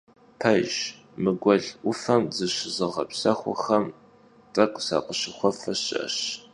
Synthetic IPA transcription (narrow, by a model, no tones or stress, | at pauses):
pʰɐʒ | mɨɡʷɔɮʔʷʊfɐmzɨɕɪzɨʁɐpsɐxʷɔ̰xɐm | t͡sʼɐkʷʼsa̰qʼəɕɪxʷɔfɐɕʼɐ̰ɕ